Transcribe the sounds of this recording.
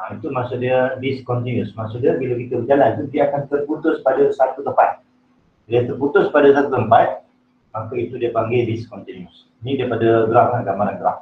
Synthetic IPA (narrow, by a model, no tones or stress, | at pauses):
ait̪umasuʔdiədiskɔnt̪injusmasuʔdiəbilakit̪əbəd͡ʒalanit̪udiəakant̪ərput̪ʊspadasat̪ut̪əpat̪̚ | diət̪ərput̪ʊspadasat̪ut̪əmpat̪̚ | makait̪udiəpaŋɡediskɔnt̪injus | nidiəpadaɡɾaʔkanɡaʔmaɾaɡəɾa̰ʔ